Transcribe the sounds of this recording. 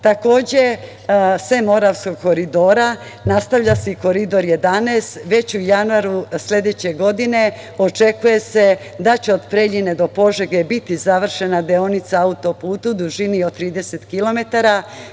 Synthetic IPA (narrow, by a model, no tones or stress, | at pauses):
t̪ako̞ːd͡ʑe̞ | semo̞ɾaʋsko̞ɡ̚ko̞ɾid̪o̞ːɾa | nast̪aʋʎʲaseiko̞ɾid̪o̞ɾje̞d̪aneːst̪ʋe̞t͡ɕujanuaɾusʎe̞d̪e̞t͡ɕe̞ɡo̞d̪ine̞ | o̞t͡ʂe̞kuje̞se̞ | d̪at͡ɕe̞o̞d̪pɾe̞ʎine̞d̪o̞po̞ʒeɡe̞bit̪izaʋr̩ʃe̞nad̪eo̞nit̪saaut̪o̞puːt̪ud̪uʒiniot̪ɾiːd̪e̞se̞t̪kilo̞me̞t̪aɾa